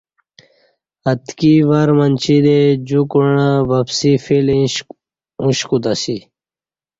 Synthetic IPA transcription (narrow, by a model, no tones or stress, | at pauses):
ɐt̪kiʋaɾmɐnt͡ɕʰid̪ed͡ʑukuɳaʋɐpsifilĩ | ũɕkut̪asi